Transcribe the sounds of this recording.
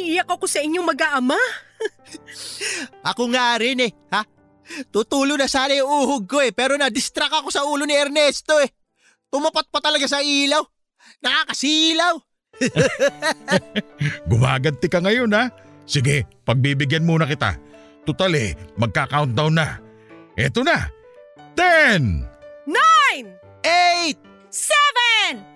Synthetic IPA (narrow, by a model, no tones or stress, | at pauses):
ʔɪjakokosɐɪɲjoŋmɐɡaʔɐma | ʔɐkoŋaɾɪnɛha | t̪ut̪uːlonɐsaːlɐjʊŋuːhʊɡ̚ko̞ɛpɛːɾo̞nɐd̪ɪst̪ɾakɐko̞sɐʔuːlo̞nɪɛɾnɛst̪o̞ɛ | t̪ʊmɐpat̪̚pɐt̪ɐlɐɡas̬ɐʔiːlaw | nɐkaːkɐsiːlaw | ɡʊmaːɡɐd̪̚t̪ɪkɐŋɐjo̞na | sɪɡɛpɐɡ̚biːbɪɡjanmuːnɐkɪt̪a̰ | t̪ʊt̪alɛ̰mɐɡ̚kaːkawnt̪̚d̪ɐwna | ʔɛ̰ːt̪ona | t̪ɛnnajn | ʔejt̪̚ | sɛvɛn